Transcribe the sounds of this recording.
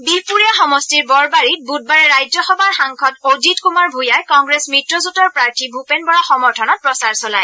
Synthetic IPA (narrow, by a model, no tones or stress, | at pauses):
bipuɹijaxɔmɔstiɹbɔɹbaɹit̚but̚baɹɛɹajzɔxɔbaɹxaŋkʰɔtowzitkumaɹbʱujajkɔŋɡɹesmɹitɹɔzutɔɹpɹaɹtʰibʱupɛnbɔɹaxɔmɔɹtʰɔnɔt̚pɹɔsaɹsɔlaj